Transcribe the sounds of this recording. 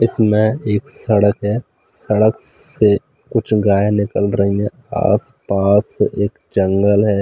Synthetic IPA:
ɪsmẽeːksɐɽəkɦɛː | sɐɽəkse | kʊt͡ʃʰɡaːjenɪkəlɾɐɦĩɛ̃ | a̰ːspaːsʔeːkd͡ʒə̃ŋɡəlɦɛː

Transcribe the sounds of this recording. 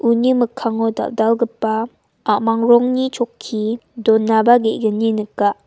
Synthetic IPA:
ʔuniməkʰaŋɔda̰ldalɡəpa | ʔaʔmaŋɾɔŋnit͡ʃʰɔkʰːidɔnabaɡeʔɡəninəkaʔ

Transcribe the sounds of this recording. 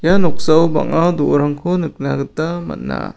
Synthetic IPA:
janɔk̚sawba̰ŋadɔʔɾaŋkʰɔnɯk̚naɡɯtama̰t̚na̰

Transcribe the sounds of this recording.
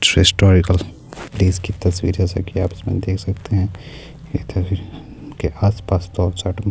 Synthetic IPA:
ɪsʈɔːɾɪkəl | pliːzkit̪ɐswḭːɾɦɛsɐ̰kiaːpɪ̥smḛ̃d̪eːkʰsɐkt̪eɦɛ̃ː | jet̪ʰɐsiɾ | keʔaːspaːst̪ɔːɾt͡ʃaʈmẽ

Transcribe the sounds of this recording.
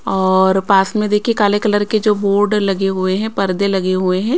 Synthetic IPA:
ɔːɾpaːsmẽd̪eːkʰiekaːlekɐləɾked͡ʒoːboːɾɖlɐɡeɦueɦɛ̃pɐɾd̪elɐɡeɦueɦɛ̃ː

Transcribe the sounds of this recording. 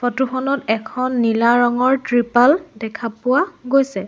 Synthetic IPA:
fɔtuxɔnɔtɛkʰɔnːilaɹɔŋɔɹtɹipaldɛkʰapʊwaɡojsɛ

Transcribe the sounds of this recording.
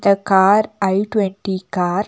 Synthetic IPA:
d̪ɐkaːɾɐɪʈwɛɳʈikaːɾ

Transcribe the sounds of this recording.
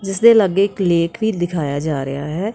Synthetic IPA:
d͡ʒɪsd̪eːləɡeɪkleːkʋiːd̪ɪkʰaːjaːd͡ʒaːɾə̰jaːɦɛː

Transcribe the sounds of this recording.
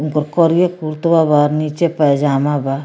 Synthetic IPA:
unkɔɾkɔɾijekuɾt̪babaɾnit͡ʃepəd͡ʒaːmaba

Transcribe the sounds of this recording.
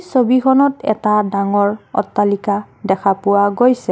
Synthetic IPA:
sobikʰɔnɔtɛ̰tadaŋɔɹɔ̰tːalika | dɛkʰapʊwaɡojsɛ

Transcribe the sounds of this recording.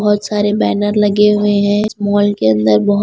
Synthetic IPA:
ɦʊt̪saːɾebɛːnəɾlɐɡeɦʊeɦɛ̃ɪsmɔːlkeɐ̃nd̪əɾbɐɦʊ

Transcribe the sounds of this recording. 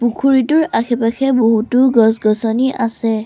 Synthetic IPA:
pukʰuɹitʊɹakʰɛpaxʰɛboɦutʊɡɔs̬ɡɔsɔniʔasɛ

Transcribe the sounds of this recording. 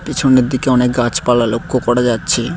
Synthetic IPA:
pit͡ɕʰoneɾd̪ikeɔnek̚ɡãt͡ɕpalalokːokɔɽad͡ʑatːɕʰe

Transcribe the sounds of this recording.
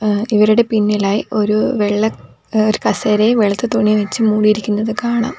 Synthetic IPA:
iʋɐɾuɽe̞pinːilaːjio̞ɾuʋeɭːɐ | oɾukɐseːɾeʋeɭɐt̪ːɨt̪oɳːiʋɐt͡ɕːɨmuːɽijiɾikʲːunːɐðɨkaːɳa̰ːm

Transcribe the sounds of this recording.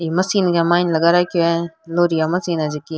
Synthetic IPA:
imɐsiːnɡamaːnlɐɡaːɾaːkoɛloːɾijamɐsiːnad͡ʒiki

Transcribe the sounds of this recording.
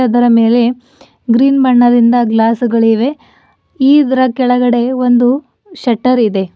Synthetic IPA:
ɐd̪ɐɾɐme̞ːle̞ | ɡɾiːnbɐɳːɐd̪ind̪ɐɡlaːsuɡɐɭiʋe̞ | iːd̪ɐɾɐkɛɭɐɡɐɽe̞ʋond̪u | ʃɐʈːɐɾid̪e̞

